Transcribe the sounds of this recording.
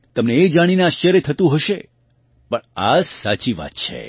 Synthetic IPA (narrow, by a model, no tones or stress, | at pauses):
t̪əmneːd͡ʒaɽ̃ineaʃjəɾjət̪ʰət̪ũɦəʃe | pəɳa̰sa̰t͡ʃiʋa̰t̪̚t͡ʃʰḛ